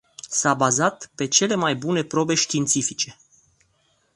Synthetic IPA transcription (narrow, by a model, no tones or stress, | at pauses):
sabazat̪pe̞t͡ʃe̞le̞majbune̞pɾo̞be̞ʃt̪iːnt̪sifit͡ʃe̞